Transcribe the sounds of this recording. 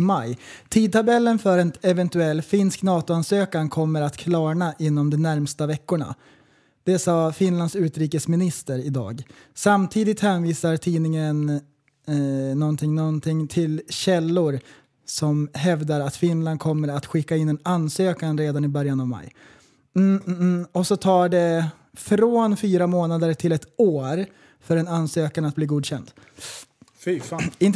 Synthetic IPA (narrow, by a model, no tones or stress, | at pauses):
majt̪ʰiːd̪̚t̪ʰabɛlːənfœɾɛnɛvɛnt̪ɵɛlːfɪnsknɑːt̪ʊansøːkankʰɔmːəɾat̪kʰlɑːɳaʔɪnːɔmd̪ɔmnæɾmst̪avɛkːʊɳa̰ | d̪̥ɛsɑːfɪnland̪sʉ̟ːt̪ɾiːkəsmɪnɪst̪əɾɪd̪ɑ̰ːɡsamt̪ʰiːd̪ɪt̪hɛnviːsaɾʈ̪ʰiːnɪŋən | nɔnt̪ʰɪŋnɔnt̪ʰɪŋt̪ʰɪlɕɛlːʊɾ | sɔmɦɛvd̪aɾat̪fɪnland̪kʰɔmːəɾat̪ɧɪkːaɪnːɛnanːsøːkanɾeːd̪anɪbœɾjanavma̰j̩ | ɔsɔt̪ʰɑːɖɛ | fɾoːnfyːɾamoːnad̪əɾʈʰɪlɛt̪oːɾ | fœɾɛnansøːkanat̪̚bliːɡuːd̪ɕɛnd̪ | ɪnt̪